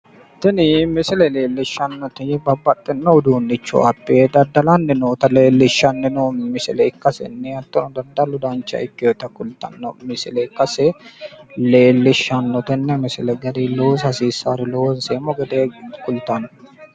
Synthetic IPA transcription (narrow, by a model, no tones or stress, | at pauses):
t̪ɛnɪmɪsɪlɛleːlːɪʃːɐnːɔt̪ɛbɐbːɐt̪ʼːɛnːɐʊd̪uːnːɪt͡ʃːɔ̰ɐpːeːd̪ɐd̪ːɐlɐnːɛnoːt̪ɐleːlːɪʃːɐnːɛnomɪsɪlɛɪkːɐsɛ̰nːɛɐt̪ːɔnɔd̪ɐnd̪ɐlʊd̪ɐnt͡ʃːɐ̰ɪkːɪɔt̪ɐkʼʊlt̪ɐ̰nːɔmɪsɪlɛɪkːɐsɛ | leːlːɪʃːɐnːɔt̪ɛnːɛmɪsɪlɛɡɐd̪iloːshɐsiːsaɾɪlonseːmːɔɡɐd̪eːkʼʊlt̪ːɐnːɔ